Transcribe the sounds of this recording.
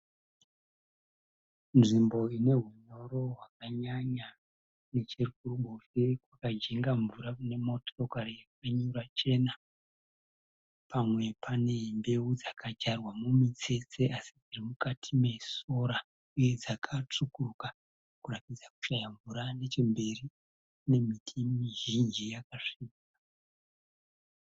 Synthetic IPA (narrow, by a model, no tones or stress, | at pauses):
nʐimbo̞ine̞ɦuɲo̞ɾo̞ɦwakaɲaɲa | ne̞t͡ʃirkuruɓofekwakad͡ʒe̞ŋɡaɱvuɾaune̞motorokarijakaɲuɾat͡ʃe̞na | pamwe̞pʰane̞mbe̞ud͡zakʰad͡ʒarwamumit͡se̞t͡se̞ʔasid͡zirimukatʰime̞so̞ɾa | iod͡zakʰat͡ʂukuruka | kuratid͡zaku̥ʃajaɱvuɾane̞t͡ʃe̞mbe̞ri | ne̞mitʰimiʒind͡ʒijakaʂiːka